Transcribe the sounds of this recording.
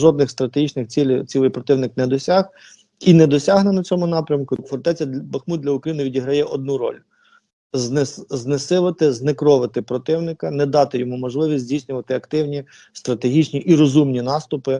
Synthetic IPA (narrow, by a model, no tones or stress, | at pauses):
ʒɔd̪nɪxst̪ɾɐt̪eɦit͡ʃnɪxt͡sʲilʲt͡sʲilˠɪjpɾɔt̪ɪwnɪknɛd̪ɔsʲɑh | inɛd̪ɔsʲɑɦnenɐt͡sʲɔmʊnɑpɾʲɐmkʊfɔrt̪ɛt͡sʲɐbɐxmud̪d̪lʲɐʊkɾɐjinɪʋʲidʲiɦɾɐjɛʔɔd̪̚nuɾɔ̰lʲ | znsznesɪʋɪt̪ɪznekɾɔʋɪt̪ɪpɾɔt̪ɪwnɪkɐnɛd̪ɑt̪ɪjɔmumɔʒlˠɪʋʲisʲzʲdʲijsʲnʲʊʋɐt̪ɪɐkt̪ɪwnʲi | st̪ɾɐt̪eɦʲit͡ʃnʲiʔiɾɔzumnʲinɑst̪ʊpɪ